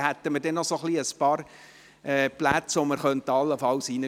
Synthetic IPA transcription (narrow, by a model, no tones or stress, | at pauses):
hæt̪ːəməɾdɛnːɔsoχliəspɑːɾ | ɛːplæt͡sʋoməɾχœntəɑlːəfɑlsinə